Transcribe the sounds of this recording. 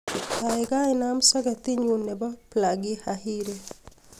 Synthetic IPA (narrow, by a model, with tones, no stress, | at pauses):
a˨ɪ˨ɡa˦ɪ˦na˦msɔ˦ɡɛ˨t̪i˦ɲu˨ne˨bɔ˦pla˨ɡɪ˦hahi˦ɾe˦